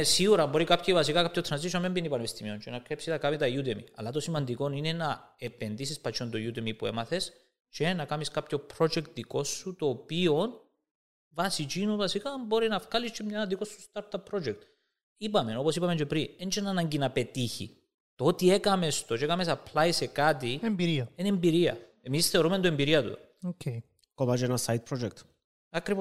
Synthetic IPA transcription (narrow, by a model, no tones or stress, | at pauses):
esiɣuɾɐmbo̞ɾikapçivɐs̬ikakapçot̪ɾɐnzisʃomembinipɐneist̪imiont͡ʃenɐkɾepsinɐkamit̪ɐjut̪emḭɐ̰lːɐt̪o̞simɐnd̪iko̞nine̞nɐepend̪isispɐt͡ʃont̪ojut̪emipuḛmɐθe̞s | t͡ʃenɐkamiskapço̞pɾo̞d͡ʒekt̪ðiko̞sːut̪o̞ːpio̞n | vɐsit͡ʃinuvɐsikaːmbo̞ɾinɐfkalist͡ʃːemɲɐnd̪ikosːu̥st̪aɾt̪ɐpʰːɾo̞d͡ʒek̚t̪ | ipɐme̞no̞posipɐme̞nt͡ʃepɾinent͡ʃenanɐɲɟinɐpet̪içḭ | t̪oot̪iekɐmest̪ot͡ʃekɐme̞sɐplaise̞kat̪iembiɾiɐenembiɾiɐ̰ | emisθe̞o̞ɾumed̪oembiɾiɐt̪ṵ | ocʰe | komat͡ʃenɐsajt̪̚pʰɾod͡ʒek̚t̪ | ɐkɾivos